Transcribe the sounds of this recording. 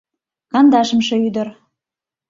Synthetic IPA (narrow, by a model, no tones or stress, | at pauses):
kɑnd̪ɑʃə̆mʃĕyd̪ə̆r